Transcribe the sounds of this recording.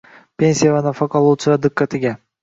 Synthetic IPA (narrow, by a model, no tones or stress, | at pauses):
pʰʲe̞nsijavanafaqʰɑlˠt͡ʃɾad̪ɪkʰːat̪ʰɪɡʲa